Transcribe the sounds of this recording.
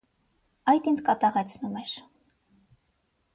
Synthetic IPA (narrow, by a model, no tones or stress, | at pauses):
ɑjt̪ind͡zkɑt̪ɑʁɛt͡sʰnumɛɾ